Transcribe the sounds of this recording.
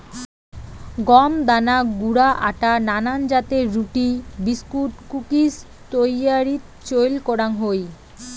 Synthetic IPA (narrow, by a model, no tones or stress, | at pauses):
ɡɔmd̪anaɡuɽaʔaʈananand͡ʑat̪eɾɾuʈibiskuʈkukis | t̪ojaɾit̪t͡ɕojlkɔɽaŋɦoj